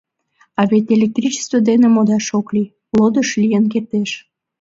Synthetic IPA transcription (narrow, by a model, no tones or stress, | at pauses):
ɑβet̪elʲek̚t̪rʲit͡ɕe̥st̪vod̪enemod̪ɑʃokli | lod̪əʃlijənk̬ert̪eʃ